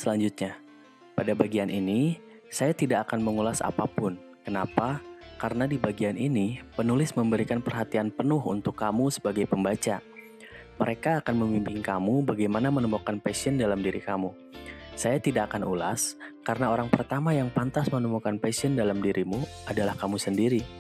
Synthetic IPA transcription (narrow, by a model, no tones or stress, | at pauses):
səlaɲd͡ʒut̪̚ɲa | padabaɡianʔini | sajat̪idaʔːkanməŋulasa̰pa̰pʊn | kənapakaɾənadibaɡianinipənulɪsməmbəɾikanpərɦat̪ianpənʊɦṵnt̪ʊkːamusə̥baɡajpəmbat͡ʃa | məɾʔekaːkanməmimpɪŋkamubaɡajmanamənəmukanpasiəndalamdiɾikamu | sajat̪idaːkanʔula̰skaɾənaoɾaŋpərt̪amajaŋpant̪asmənəmukanpasiəndalamdiɾʔimuadalahkamusəndiɾi